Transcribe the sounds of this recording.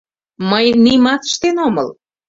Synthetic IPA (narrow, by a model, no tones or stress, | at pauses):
məjnimɑt̪ə̥ʃt̪enomə̰l